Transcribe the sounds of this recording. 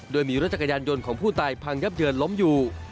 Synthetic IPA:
doː˧jmiː˧ɾa˦˥t͡ɕa˩ka˧jaː˧njo˧nkʰɔː˩˦ŋpʰuː˥˩t̪aː˧jpʰaː˧ŋja˦˥˩p̚jɯː˧ənlo˦˥mjuː˨˩

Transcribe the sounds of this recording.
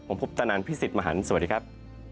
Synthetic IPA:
o˩˦mpʰu˦˥p̚t̪a˧naː˨˩˥npʰiː˦˥˩si˨˩t̪̚ma˧ɦa̰˩˦n˥˩sa˨a˦˩d̪iː˧kʰa˦˥p̚

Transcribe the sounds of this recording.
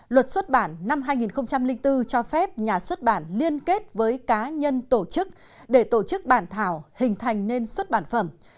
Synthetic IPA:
lwə˨˩t̚swə˦˥t̚ɓaː˧˩nːa˧mɦaː˧jŋi˨˩nxə˧wŋ͡mt͡ɕa˧mlï˧ŋ̟t̪ɨ˧t͡ɕɔ˧fɛ˦˥p̚ɲaː˨˩swə˦˥t̚ɓaː˧˩nli˧ənke˦˥t̚vəː˨˦jkaː˨˦ɲə˧nt̪o˧˩t͡ɕɨ˦˥k̚ | ɗe˧˩t̪o˧˩t͡ɕɨ˦˥k̚ɓaː˧˩nt̪ʰaː˧˩whï˨˩ŋ̟t̪ʰa˨˩jŋ̟ne˧nswə˦˥t̚ɓaː˧˩nfə˧˩m

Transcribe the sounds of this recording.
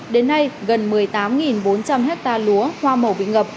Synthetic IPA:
ɗe˨˦nːa˧jɣə˨˩nmɨ˨˩əjt̪aː˨˦mŋi˨˩nɓo˨˦nt͡ɕa˧mɦɛ˦˥k̚t̪aː˧lu˨˦əhwaː˧mə˨˩wɓḭ˧˨ŋə˨˩p̚

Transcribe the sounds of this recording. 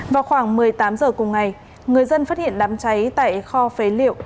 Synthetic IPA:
vaː˨˩wxwaː˧˩ŋmɨ˨˩əjt̪aː˨˦mzəː˨˩kʊ˨˩ŋ͡mŋa˨˩j | ŋɨ˨˩əjzə˧nfaː˦˥t̚hḭ˧˨ənɗaː˨˦mt͡ɕa˨˦jt̪a̰ː˧˨jxɔ˧fe˨˦lḭ˧˨əwʔ

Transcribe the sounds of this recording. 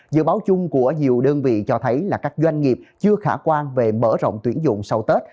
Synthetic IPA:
zɨ̰˧˨ɓaː˨˦wt͡ɕʊ˧ŋ͡mku˧˩əɲi˨˩əwɗəː˧nvḭ˧˨t͡ɕɔ˧t̪ʰə˨˦jlaː˨˩kaː˦˥k̚zwa˧jŋ̟ŋi˨˩əp̚t͡ɕɨ˧əxaː˧˩kwaː˧nve˨˩mə̰ː˧˥˩zə̰˧˨wŋ͡mt̪wi˨˦ənzʊ̰˧˨ŋ͡msə˧wt̪e˦˥t̚

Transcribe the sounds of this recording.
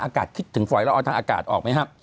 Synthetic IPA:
ŋʔaː˧kaː˨˩t̪̚kʰi˦˥t̪ʰːɯ˩˦ŋfɔ˨˩jlːʔːt̪ʰaː˧ʔaː˧ka̰ː˨˩t̪̚ʔɔː˨˩k̚ma˦˥jkʰa˦˥p̚

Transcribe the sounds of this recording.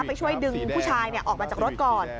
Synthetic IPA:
a˥˩pa˧jt͡ɕʰu˥˩əjdɯ˧ŋpʰuː˥˩t͡ɕʰaː˧jni˥˩ʔɔː˨˩maː˧t͡ɕaː˨˩k̚ɾo˦˥t̪̚kɔː˧˩n

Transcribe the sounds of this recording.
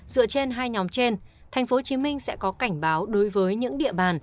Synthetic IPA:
zɨ̰˧˨ət͡ɕe˧nɦaː˧jɲɔ˨˦mt͡ɕe˧n | t̪ʰa˨˩jŋ̟fo˨˦t͡ɕi˨˦mï˧ŋ̟sɛ̰˧˥kɔ˨˦ka˧˩jŋ̟ɓaː˨˦wɗo˨˦jvəː˨˦jɲɨ̰˧˥ŋɗḭ˧˨əɓaː˨˩n

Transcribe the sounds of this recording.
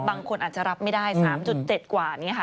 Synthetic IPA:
baː˧ŋkʰo˧nʔaː˨˩t̪̚t͡ɕa˨˩ɾa˦˥p̚ma˥˩jdaː˥˩jsaː˩˦mt͡ɕu˨˩t̪̚t͡ɕe˨˩t̪̚kwaː˨˩niː˦˥ɐkʰa˦˥

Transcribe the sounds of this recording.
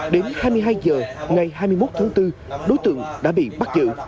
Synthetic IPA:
ɗe˨˦nhaː˧jmɨ˧əjɦaː˧jzəː˨˩ŋa˨˩jɦaː˧jmɨ˧əjmo˦˥t̚t̪ʰaː˨˦ŋt̪ɨ˧ɗo˨˦jt̪ɨ̰˧˨əŋɗa̰ː˧˥ɓḭ˧˨ɓa˦˥t̚zɨ̰˧˨

